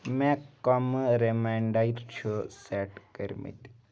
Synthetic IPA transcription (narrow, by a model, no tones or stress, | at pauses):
mɛ̃kɐmɾemaːɳɖaiɾt͡ʃʰuseːʈkəɾmḭt̪